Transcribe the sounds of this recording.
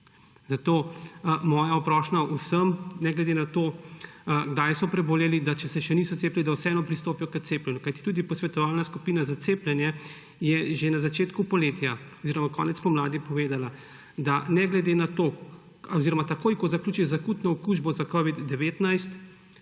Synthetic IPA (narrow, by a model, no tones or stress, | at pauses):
zat̪oːmɔːjaɔpɾɔːʃnaʔusəmnɛɡlɛd̪enat̪o | ɡd̪ajsɔpɾɛboljelid̪at͡ʃɛsɛʃɛniːsɔt̪seːplʲɛlid̪awsɛɛːnɔpɾist̪oːpijɔkət̪seːplɛnjukajt̪i̥t̪uːd̪ipɔsʋɛt̪ɔʋalnaskupiːnazat̪seplɛnjɛ | jɛʒenazat͡ʃeːt̪kupɔleːt̪jaɔziːɾɔmakɔ̰ːnɛt̪spɔmlaːd̪ipɔʋeːd̪ala | d̪anɛɡlɛd̪enat̪oː | ɔziːɾɔmat̪akoːjkɔzaklʲuːt͡ʃizakut̪nɔɔkuːʒbɔzakɔʋid̪ːɛʋeːt̪najst̪